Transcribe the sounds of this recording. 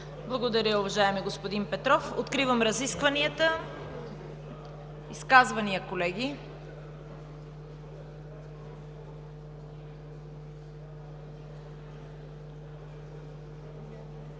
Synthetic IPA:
blˠɐɡod̪ɐɾəʊvɐʒaɛmiɡospod̪inpɛt̪ɾɔfo̰t̪kɾivəmɾɐziskvɐniət̪ə | iskazvɐnijəkolɛɡʲi

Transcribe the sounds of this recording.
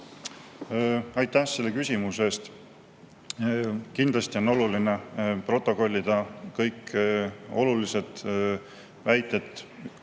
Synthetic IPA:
ɑjt̪ːˑæhse̞lːe̞kysʲimuse̞ːst̪ | kind̪lɑst̪io̞no̞luline̞pro̞t̪ːˑo̞ko̞lʲːid̪̥ɑkɤjk | o̞̰lulise̞t̪ | væjt̪ːˑe̞t̪ːˑ

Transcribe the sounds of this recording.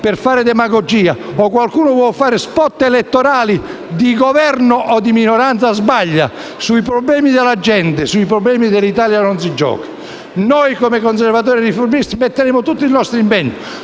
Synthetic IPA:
pɪrfaːɾɪd̪ɛmaɡɔd͡ʒiːaɔkwalkuːnʊvwɔfaːɾɪspɔt̪ːeɛlɛt̪ːɔɾaːli | d̪iɡɔvɛɾnʊʔɔd̪iminɔɾant̪sazbaʎːa̰ | suipɾɔblɛːmid̪ɪlad͡ʒːɛnt̪ɪsuipɾɔblɛːmid̪ɪlit̪aːljanɔnsid͡ʒɔ̰ːki̥ | nɔjkɔmɪkɔns̬ɛɾvat̪̬ɔːɾɪrifoɾmist̪imet̪ːeɾeːmʊt̪ut̪ːinɔst̪ɾimpɛɲt̪i

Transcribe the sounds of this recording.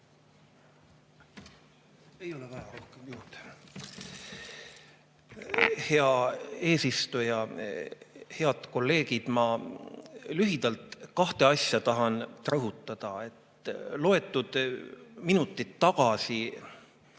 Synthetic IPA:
e̞jo̞levæjɑɾo̞hkemjuːt̪ | he̞ɑe̞ːsist̪ujɑ | he̞ɑd̪̥ko̞lːe̞ːɡ̥id̪̥mɑ | lyɦid̪̥ɑlt̪kɑht̪e̞ɑsjɑt̪ɑɦɑnrɤɦut̪ːˑɑd̪̥ɑe̞t̪lo̞e̞t̪ːˑud̪̥minut̪ːˑit̪ːɑɡ̥ɑsi

